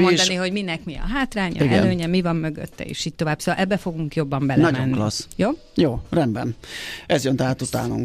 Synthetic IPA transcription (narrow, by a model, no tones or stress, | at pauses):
od̪ɒniɦo̞ɟminɛkmiɒ̰ɦaːt̪raːɲɒ̰iɛløːɲɛmivɒmːø̞ɡø̰t̪ːɛ̰ḛːʃiːc̚t̪o̞vaːb̥soːɒlʔɛbːɛfo̞ɡuŋkjo̞bːɒmbɛlnɛɒɟmɛnːklɒ̰sjoː | joːrɛnbɛ̰nɛzjønt̪aːt̪ut̪a̰ːnṵŋk